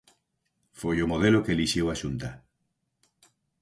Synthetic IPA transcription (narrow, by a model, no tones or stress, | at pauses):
fojomoð̞elokeeliʃewaʃunt̪a